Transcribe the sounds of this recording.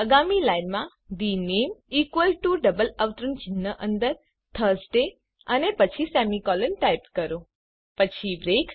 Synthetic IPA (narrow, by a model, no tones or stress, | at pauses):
əɡamilajnmã | ɖinemikʋəlʈuɖəbələʋt̪ɾənt͡ʃɪnːəʔənd̪əɾ | t̪ʰəsɖe | ənepət͡ʃʰisɛmikɔlənʈajp̚kəɾõ | pət͡ʃʰibɾek